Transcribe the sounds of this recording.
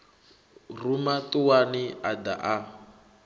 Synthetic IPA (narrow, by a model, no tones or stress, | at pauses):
rumatuwaniada̰ʔa